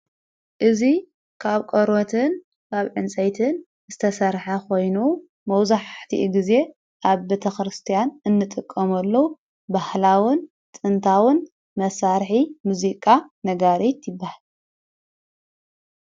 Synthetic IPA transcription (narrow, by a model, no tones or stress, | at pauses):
ʔɨzi | kʰaβkʼoɾwɔt̪ʰɨn | kʰaβʕɨnt͡sʼɐjt̪ʰɨn | z̥ɨt̪ʰɐsɐɾħɐko̞jnu | mɐwzaħt̪ʰḭʔɡize̞ | ʔaβbe̞t̪ʰɐxɾɨst̪ʰijanɨnːɨt̪ʼɨkʼːɐmɐlːɐwu | bahlawɨn | t̪ʼɨnt̪ʰawɨn | mɐsaɾħimuzikʼanɐɡaɾet̪jɪbːahal